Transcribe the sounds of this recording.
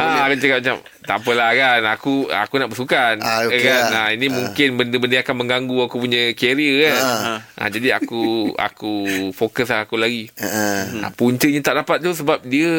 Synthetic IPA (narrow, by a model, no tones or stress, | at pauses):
akat͡ʃəkat̚mat͡ʃa̰m | t̪a̰pəlakanakua̰kunaʔbəsukankanainĩmũŋkɪnbəndəbəndəakanmə̃ŋɡaŋɡuakup̬uɲə̃keɾiəkanʔã̰d͡ʒadia̰kua̰kufokəs̬aakulaɡi | a̰puɲt͡ʃəɲãt̪aʔdapat̪̚t̪us̬əbap̚diə